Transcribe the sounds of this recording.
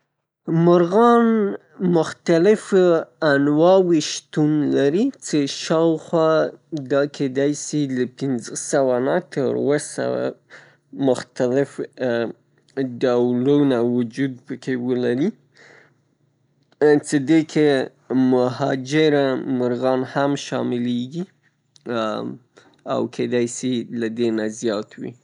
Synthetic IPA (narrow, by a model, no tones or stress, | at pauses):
mʊɾɣɑn | mʊxt̪alɪfanwɑwiʃt̪unlaɾit͡seʃɑwxwɑd̪ɑkʰed̪ajsiləpɪnzəsawanat̪əɾwəsa̰wa̰ | mʊxt̪alɪf | ɖawlunawʊd͡ʒud̪̚pəkewəlaɾi | t͡sed̪ekʰe | mʊɦɑd͡ʒɪɾamaɾɣɑnhamʃɑ̰mɪleɡi | a̰wkʰed̪ajsilad̪enazjɑt̪ʰwḭ